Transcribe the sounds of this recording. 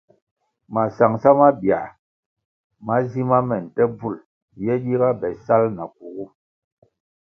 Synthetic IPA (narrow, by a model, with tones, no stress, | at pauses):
ma˨sa˨ŋsa˦ma˦bi˨a̰˨ | ma˦zi˦ma˦mɛ˨n̩˨tɛ˦b͡vu˦˨l | jɛ˦ɗi˦ɣa˦bɛ˨sa˦lna˨ku˨ɣu˦